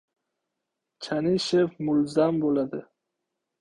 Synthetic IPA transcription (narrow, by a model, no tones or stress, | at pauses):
t͡ʃʰanɪʃefmʊlzambolad̪ɪ